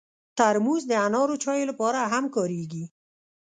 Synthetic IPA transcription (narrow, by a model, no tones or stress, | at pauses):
t̪aɾmuzd̪əanɑɾot͡ʃɑjolapɑɾaɦamkɑɾeɡi